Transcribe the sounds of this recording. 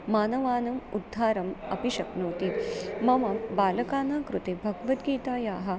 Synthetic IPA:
maːnɐʋaːnɐmṵd̪ʱːaːɾɐmɐ̰piʃɐknoːt̪imɐmɐbaːlɐkaːnaːkɾut̪ebʱɐɡɐʋɐt̪ɡiːt̪aːjaːɦɐ̆

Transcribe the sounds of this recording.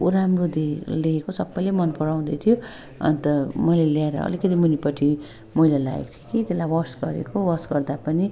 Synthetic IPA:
uɾamrod̪eleːkosʌbːʌjlemʌnpʌɽaw̃d̪ʌjt̪ʰijo | ʌ̰nt̪ʌmʌjleljaeɾʌ̰ʌ̰likʌt̪imunipʌʈʰi | mʌjlala̰ḛkt̪ʰokit̪elajwʌsɡʌɾḛkowʌsɡʌrd̪apʌni

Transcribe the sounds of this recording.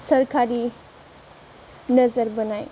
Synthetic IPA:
sɐɾkʰaɾi | nɐzəɾbɐnaj

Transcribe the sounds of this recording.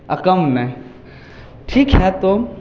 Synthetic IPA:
ɐkəmnɛ̃ | ʈʰiːkɦɛt̪o

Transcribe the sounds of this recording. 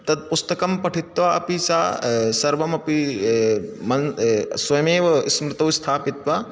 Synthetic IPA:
t̪ɐd̪̚pust̪ɐkɐmpɐʈʰit̪ʋaɐ̰pisaːsɐɾʋɐmɐpi | mɐnsʋɐjɐmeːʋɐsmɾɪt̪ɐwst̪ʰaːpit̪ʋa

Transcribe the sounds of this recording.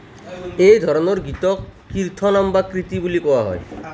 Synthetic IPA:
ejd̪ʱɔɾonoɾɡit̪ɔkː | iɾt̪ʰonambakɾit̪ibulikɔwaɦɔ̰e

